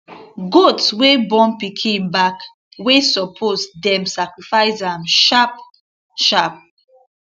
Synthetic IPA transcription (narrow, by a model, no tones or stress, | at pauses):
ɡotswebɔ̃npikʰĩnbak | wesɔpʰosdɛ̃msakɹifaɪzamʃap̚ | ʃap̚